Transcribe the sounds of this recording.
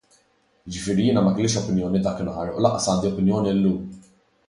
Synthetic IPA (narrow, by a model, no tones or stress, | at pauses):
ɪd͡ʒɪfɪːɾijɪːnɐmɐkɪlɪːʃɔpɪnjɔːnid̪ɐːkɪnɐħɐɾʔlɐʔːɐsɐːnd̪iɔpɪnjɔːnilːuːm